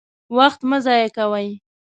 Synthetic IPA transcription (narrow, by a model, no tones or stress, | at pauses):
waxt̪məzɑjakawaj